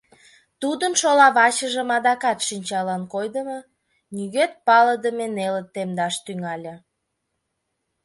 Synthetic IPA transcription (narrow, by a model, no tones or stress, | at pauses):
t̪ud̪ənʃolɑβɑt͡ɕəʒəmɑd̪ɑkɑt̪ʃinʲt͡ɕɑlɑnkojd̪əmo | nyɣet̪̚pɑləd̪əmenelət̪ːemd̪ɑʃt̪yŋɑlʲɤ̆